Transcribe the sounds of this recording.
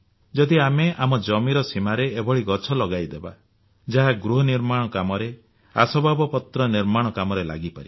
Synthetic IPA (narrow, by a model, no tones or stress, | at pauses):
d͡ʒɔd̪iameʔamɔd͡ʒɔmiɾɔsimaɾeːbɔɭiɡɔt͡ʃʰɔlɔɡajd̪eba̰ | d͡ʒaɦaɡɾuɦɔniɾmaɽ̃ɔkamɔɾe | asɔbabɔpɔt̪ɾɔniɾmaɽ̃ɔkamɔɾela̰ɡipaɾi